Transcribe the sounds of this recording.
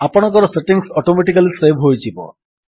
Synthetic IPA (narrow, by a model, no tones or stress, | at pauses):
apɔɽ̃ɔ̃ŋkɔɾɔseʈiŋsɔʈomeʈikalisebʱɦojt͡ʃʰibɔ̰